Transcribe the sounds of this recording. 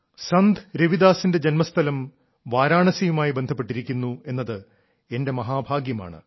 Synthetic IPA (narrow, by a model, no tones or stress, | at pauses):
sɐnd̪ʱɾeʋid̪aːsinde̞d͡ʑenmɐst̪ʰɐlɐm | ʋaːɾaːɳɐsijumaːjibend̪ʱɐpːe̞ʈːiɾikʲːunːue̞nːɐðɨ | e̞nde̞mɐɦaːbʱaːɡjɐma̰ːɳɨ̰